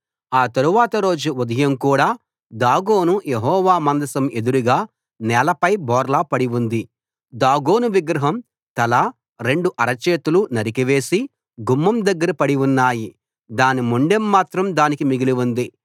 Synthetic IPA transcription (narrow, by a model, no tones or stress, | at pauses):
aːt̪ɐɾuʋaːt̪ɐɾo̞ːd͡ʒuud̪ʱɐjɐmkuːɽaː | d̪aːɡoːnujeɦɔːʋaːmɐnd̪ɐsɐme̞d̪uɾuɡaː | nɛːlɐpɐjbɔːɾlapɐɽiʋund̪i | d̪aːɡo̞ːnuʋiɡɾɐɦɐm | t̪ɐla | ɾe̞ɳɖuʔɐɾɐt͡ʃeːt̪ulunɐɾikiʋe̞ːsi | ɡumːɐmd̪ɐɡːɐɾɐpɐɽiʋunːaːji | d̪aːnimuɳɖemːaːt̪ɾɐmd̪aːnikimiɡiliʋund̪i